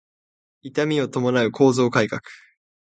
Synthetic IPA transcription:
it̪amʲio̞t̪o̞mo̞naɯ̟kʰo̞ːzo̞ːkaikakɯ̥

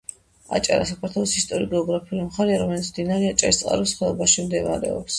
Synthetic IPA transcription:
a̰t͡ʃʼa̰ɾa̰sakʰaɾt̪ʰwɛlˠɔsist̪ʼɔɾiɡɛɔɡɾapʰiulimχaɾɛaɾɔmɛlit̪sʰmd̪inaɾɛat͡ʃʼaɾist̪sʼa̰ɾɛsχwɛlˠɔbaʃimd̪ɛva̰ɾɛ̰ɔ̰ps

